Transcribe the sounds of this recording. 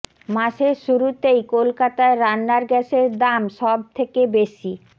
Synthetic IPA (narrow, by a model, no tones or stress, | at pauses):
maʃeɾʃuɾut̪ejkolkat̪aeɾanːaɾɡɛʃeɾd̪amʃɔb̚t̪ʰekebeʃi